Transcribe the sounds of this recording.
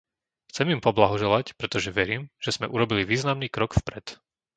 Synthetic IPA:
xt͡sɛmimpɔblaɦɔʒɛlacpɾɛt̪ɔʒɛʋɛɾiːmʒ̥ɛz̥mɛʔuɾɔbiliʋiːznamniːkɾɔkfpɾɛt̪

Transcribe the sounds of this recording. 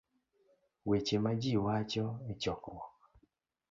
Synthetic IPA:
wet͡ʃemad͡ʒiwat͡ʃɔet͡ʃɔkwɔ

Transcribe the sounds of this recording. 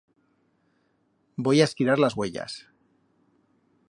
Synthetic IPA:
bo̞jaeskiɾaɾlazɣwe̞ʎa̰s

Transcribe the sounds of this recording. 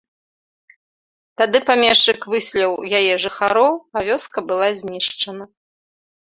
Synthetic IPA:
t̪ad̪ɨpamʲɛʂt͡ʂɨkvɨsʲlʲɐwjajɛʐɨxaɾɔwɐvʲɔskɐbɨlˠazʲnʲiʂt͡ʂɐnɐ

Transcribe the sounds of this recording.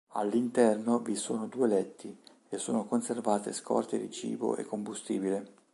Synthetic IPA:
a̰lːint̪ɛrnovisoːnod̪uːelɛt̪ːi | esːoːnokonservaːt̪eskʰɔ̰rt̪ed̪it͡ʃḭːbo̰ʔḛkːombust̪ḭːbile

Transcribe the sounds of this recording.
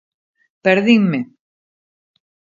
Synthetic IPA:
peɾðiŋme

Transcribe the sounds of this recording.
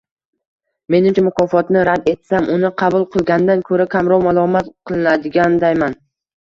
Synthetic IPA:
me̞nɪmt͡ʃʰamʊqʰɒːfɒt̪nɪɾad̪e̞t̪samʔʊnɪqʰɑbʊlˠqʰɨlˠɡʲand̪ankʰɵɾakʲʰamɾɒwmalˠɒmat̪qʰɨlˠɪnad̪ɪɡʲand̪ajman

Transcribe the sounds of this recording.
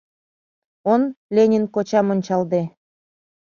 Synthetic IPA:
onlʲenʲinkot͡ɕɑmonʲt͡ɕɑld̪e

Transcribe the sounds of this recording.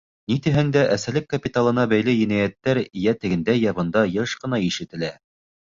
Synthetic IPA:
nit̪ɘ̆ɦæŋd̪æʔæsælɘkːɐpʲit̪alˠɤ̆nɑbæjlɘjɘ̆næjæt̪ːæɾijæt̪ɘ̆ɡɘ̆nd̪æjæβɤ̆nd̪ɑjɤʃqɤ̆nɑiʃɘ̆t̪ɘ̆læ

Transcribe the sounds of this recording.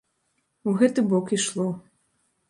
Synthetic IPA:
wɣɛt̪ɨbɔkiʂlˠɔ

